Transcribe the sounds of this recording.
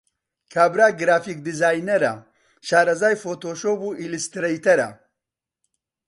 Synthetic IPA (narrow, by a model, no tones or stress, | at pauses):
kʰaːbɾaːɡɾaːfik̚d̪izaːjnɐɾɐ | ʃaːɾɐzaːjfoːt̪oːʃoːbuʔilist̪ɾɐjt̪ɐɾɐ̰